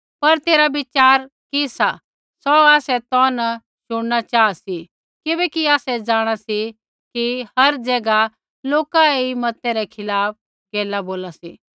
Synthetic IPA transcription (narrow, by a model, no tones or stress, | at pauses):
pɐɾt̪eːɾabɪt͡ʃaːɾ | kisa | sɔaːsɛt̪ɔnɐ | ʃʊɽ̃ñat͡ʃaːasi | kɪbɛːkiaːsɛd͡ʒaːɽ̃asi | kihɐɾd͡ʒɛːɡa | loːkaeimɐt̪ɛɾɛkʰɪlaːp̚ | keːlaboːlasḭː